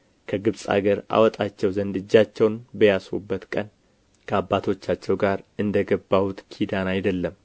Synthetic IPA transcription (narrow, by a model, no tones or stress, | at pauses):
kʰəɡɨβsʼa̰ɡəɾa̰wɔt̪ʼat͡ʃːɛwzənd̪ɨd͡ʒːat͡ʃːɛwnbəjaswṵbːət̪kʼən | kʰəabːat̪ʰo̞t͡ʃːat͡ʃːɛwɡaɾɨnd̪əɡəbːawut̪ʼkʰid̪anajd̪əlːəm